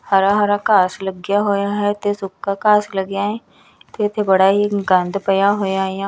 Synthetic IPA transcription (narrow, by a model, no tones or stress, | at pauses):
hɐɾaɦaɾakaːslɐɡjaɦoːjaɦɛt̪ʰesʊkːakaːslɐɡjaɦɛ | t̪ʰet̪ʰebɐɽaɦiɡãnd̪ʱpɐjaɦoːjaɦjã